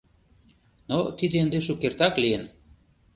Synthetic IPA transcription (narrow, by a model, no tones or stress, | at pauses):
not̪id̪eənd̪eʃukert̪ɑklien